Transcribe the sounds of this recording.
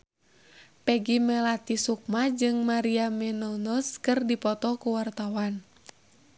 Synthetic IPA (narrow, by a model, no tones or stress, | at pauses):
pɛɡimɛlat̪isuk̚mad͡ʒɨŋmaɾiamɛnɔnɔskɨrdipɔt̪ɔkuwart̪awan